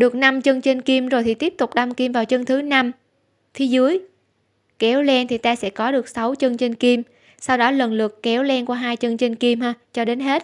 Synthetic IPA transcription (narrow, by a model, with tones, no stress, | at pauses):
ɗɨ˨˩ək̚na˧mt͡ɕə˧nt͡ɕe˧ŋ̟ki˧mzo˨˩jt̪ʰi˨˩t̪i˦˥əp̚t̪ʊ˨˩k͡p̚ɗa˧mki˧mvaː˨˩wt͡ɕə˧ŋt̪ʰɨ˨˦na˧m | t̪ʰi˨˦zɨ˨˦əj | kɛ˨˦wlɛ˧nt̪ʰi˨˩t̪aː˧sɛ̰˧˥kɔ˨˦ɗɨ˨˩ək̚sa˨˦wt͡ɕə˧nt͡ɕe˧ŋki˧m | sa˧wɗɔ˨˦lə˨˩nlɨ˨˩əkkɛ˨˦wlɛ˧nkwa˧˩ɦaː˧jt͡ɕə˧ŋt͡ɕe˧ŋ̟ki˧mhaː˧t͡ɕɔ˧ɗe˨˦nɦe˦˥t̚